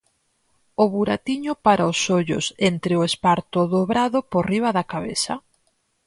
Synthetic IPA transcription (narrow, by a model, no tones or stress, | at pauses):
ʊβuɾat̪iɲʊpaɾaʊsoʎʊ̰sent̪ɾɪʊespaɾt̪ʊðoβɾaðʊporiβ̞aðakaβḛθa